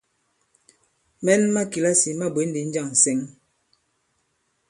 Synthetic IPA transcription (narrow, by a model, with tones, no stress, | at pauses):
mɛ˦nma˦ki˨la˦si˨ma˦bwe˨˦n˦di˨˦n̩˦d͡ʒa˦˨ŋ̩˨sɛ˦ŋ